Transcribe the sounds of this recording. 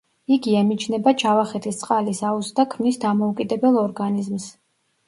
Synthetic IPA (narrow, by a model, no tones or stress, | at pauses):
iɡiɛmit͡ʃʰnɛbat͡ʃʰavaχɛt̪ʰist̪sʼqʼalisausd̪akʰmnisd̪amɔukʼid̪ɛbɛlˠɔɾɡanizms